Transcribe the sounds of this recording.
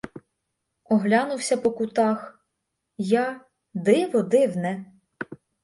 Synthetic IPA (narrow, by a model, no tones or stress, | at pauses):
ɔɦlʲɑnʊwsʲɐpɔkʊt̪ɑx | jɑ | d̪ɪʋɔd̪ɪwnɛ